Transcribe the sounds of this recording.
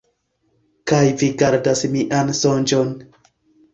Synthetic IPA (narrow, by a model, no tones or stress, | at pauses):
kajviɡaɾdasmiʔansond͡ʒon